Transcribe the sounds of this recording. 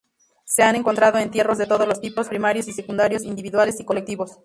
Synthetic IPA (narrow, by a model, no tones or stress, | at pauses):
se̞ane̞ŋkont̪ɾað̞o̞e̞nt̪je̞ro̞zðe̞t̪o̞ðo̞zlost̪ipo̞spɾimaɾjosise̞kund̪aɾjo̞sind̪iβiðwalesiko̞lekt̪iβo̞s